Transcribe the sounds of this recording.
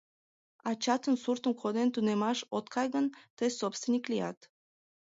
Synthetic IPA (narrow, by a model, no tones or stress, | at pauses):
ɑt͡ɕɑt̪ənsurt̪əmkʰod̪ent̪unemɑʃot̪kʰɑjɣənt̪əjsopst̪vinʲiklijɑ̰t̪